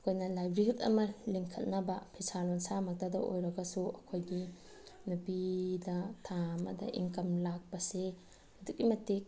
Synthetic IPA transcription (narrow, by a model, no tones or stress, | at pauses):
ɐkʰojnɐlajbɾiɦutɐ̰mɐliŋkʰɐt̚nɐbɐpʰisalonsamɐk̚tadɐʔo̰jɾɐɡɐsuɐ̰kʰojɡi | nupidɐtʰamɐ̰dɐ̰ʔḭŋkɐmlak̚pɐse | ɐduk̚imɐtek̚